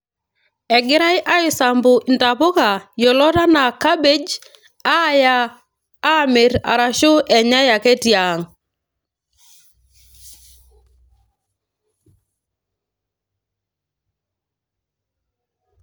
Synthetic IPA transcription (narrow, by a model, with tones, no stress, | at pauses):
ɛ˨ɡɪ˦ɾa˦jʔa˦ɪ˨sa˨mbʊ˨nta˨po˦ka˨jɔ˨lɔ˦ta˦na˨ka˦be˦d͡ʒ | a˦jaː˦ | me˨ɾa̰˨ɾa˨ʃʊ˦ʔɛ˨ɲa˦ja˨kɛ˦tja˨ŋ